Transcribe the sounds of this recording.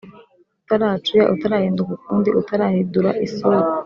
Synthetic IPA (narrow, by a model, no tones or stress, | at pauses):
utaɾat͡ʃuja̰ʔutaɾaːhiːndukukuːndiʔutaɾahiduɾaʔisoɾa